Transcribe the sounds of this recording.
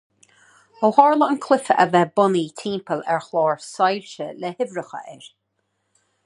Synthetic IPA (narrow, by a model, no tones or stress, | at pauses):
hɔhɔːɹləənkʰlɪfəə̰vɛbɔnit̪ʰiːmpʰəlɛɹxlɔːɹsajɹʃəlɛhɪvɹəxə̰ʔɛɹ